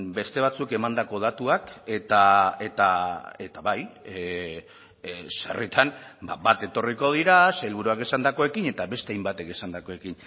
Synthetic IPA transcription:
be̞st̪e̞β̞at͡suke̞mand̪ako̞ð̞at̪uake̞t̪aet̪ae̞t̪aβaj | sḛrit̪ʰanbabat̪e̞t̪o̞riko̞ð̞iɾaseelβuɾuakesand̪ako̞e̞kine̞t̪aβe̞st̪eajmbat̪e̞kesand̪ako̞e̞kin

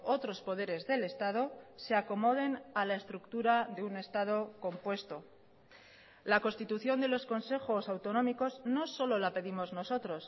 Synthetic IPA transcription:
o̞t̪ɾo̞spo̞ðe̞ɾe̞zðe̞le̞st̪að̞o̞se̞ako̞mo̞ð̞e̞nalaest̪ɾukt̪uɾaðe̞une̞st̪að̞o̞ko̞mpwe̞st̪o̞ | lako̞nst̪it̪uθjo̞nd̪e̞lo̞sko̞nse̞xo̞sawt̪o̞nõ̞miko̞zno̞so̞lo̞lape̞ðimo̞zno̞so̞t̪ɾo̞s

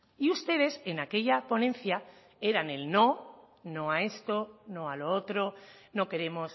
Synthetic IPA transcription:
iust̪e̞ð̞e̞se̞nake̞ʎapo̞nẽ̞nθja | e̞ɾane̞lno̞ | no̞ae̞st̪o̞no̞aloot̪ɾo̞no̞ke̞ɾe̞mo̞s

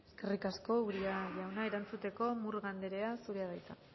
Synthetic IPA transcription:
eske̞rikasko̞uɾiaʝawnaeɾant͡sut̪e̞ko̞muɾɣand̪e̞ɾe̞asuɾeaðajt͡sa̰

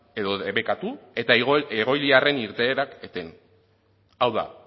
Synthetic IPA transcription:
e̞ðoðeβe̞kat̪ue̞t̪aeɣ̞o̞jliare̞niɾt̪e̞ːɾaket̪e̞n | awða̰

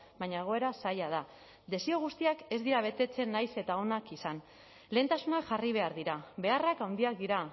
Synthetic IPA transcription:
βaɲae̞ɣ̞o̞e̞ɾasajað̞a | d̪e̞sio̞ɣ̞ust̪iake̞zd̪iɾaβ̞e̞t̪e̞t͡se̞nːajse̞t̪ao̞nakisan | le̞ːnt̪asunakʝariβ̞e̞aɾðiɾaβe̞arakawnd̪iak̚d̪iɾa

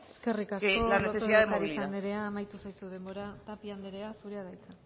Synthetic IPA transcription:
eske̞rikaskolanesesoaet̪aɾisand̪eɾe̞aːmajt̪usajsuð̞e̞mbo̞ɾat̪apiand̪eɾe̞asuɾeaðajt͡s̪a

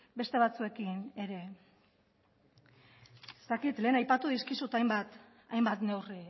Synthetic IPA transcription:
be̞st̪e̞β̞at͡sue̞kine̞ɾe̞ | est̪akit̪le̞ːnajpat̪uðiskisut̪ajmbat̪ | a̰jmbat̪ne̞wri

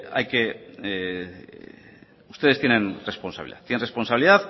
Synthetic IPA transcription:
a̰jke | ust̪eest̪ienenre̞sponsaβiliða̰tt̪ienre̞sponsaβiliðat̪

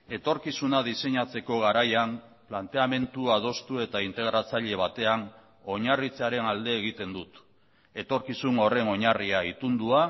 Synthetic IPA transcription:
e̞t̪o̞ɾkisunaðise̞ɲat͡se̞ko̞ɣ̞aɾajamplant̪e̞ame̞nt̪uað̞o̞st̪ue̞t̪aint̪e̞ɣɾat͡saʎe̞β̞at̪e̞an | o̞ɲarit͡saɾe̞nald̪e̞ːɣ̞it̪e̞nd̪ut̪ | e̞t̪o̞ɾkisuno̞re̞no̞ɲariait̪und̪ua

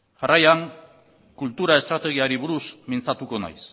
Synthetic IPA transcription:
ʝarajaŋ | kult̪uɾae̞st̪ɾat̪e̞ɣ̞iaɾiβuɾusmint͡sat̪uko̞na̰js

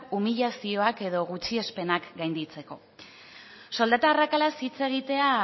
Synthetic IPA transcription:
umiʎasio̞ake̞ðo̞ɣ̞ut͡ʃie̞spe̞nakɡajnd̪it͡se̞ko̞̰ | so̞ld̪at̪aːrakalasit͡se̞ɣ̞it̪e̞a

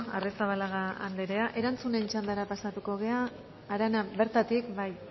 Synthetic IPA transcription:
aresaβalaɣaa̰nd̪eɾe̞aʔe̞ɾant͡sune̞nt͡ʃand̪aɾapasat̪uko̞ɣ̞e̞aː | ɾanaβe̞ɾt̪at̪ikbaj

